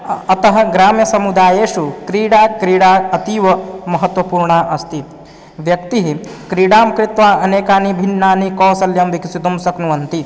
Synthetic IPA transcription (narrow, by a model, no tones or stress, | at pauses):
ɐt̪ɐɦɐ̆ɡɾaːmjɐsɐmud̪aːjeːʃukɾiːɽaːkɾiːɽaːɐt̪iːʋɐmɐɦɐt̪ʋɐpuːɾɳaːʔɐst̪i | ʋjɐk̚t̪iɦikɾiːɽaːmkɾɪt̪ʋaːɐneːkaːnibʱinːaːnikɔːsɐljɐmʋikisit̪umsɐknuʋɐnt̪i